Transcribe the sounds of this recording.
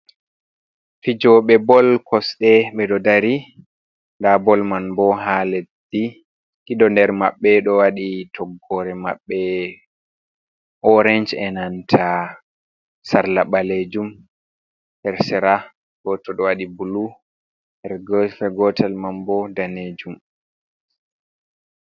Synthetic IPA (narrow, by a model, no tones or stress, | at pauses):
fid͡ʒɔɓɛbɔlkʰɔsɗɛɓɛɗɔdaɾi | ndabɔlmanbɔɦaled | i | kiɗɔndɛɾmaɓːɛɗɔwaɗitʰɔɡːɔɾɛma̰ɓːɛ | ʔɔɾɛnd͡ʒɛnantʰa | saɾlaɓaled͡ʒum | hɛɾsɛɾa | ɡ̥ɔtːɔɗɔwaɗibulu | ɛɾɡfɛɡɔtʰalmanbɔdaned͡ʒum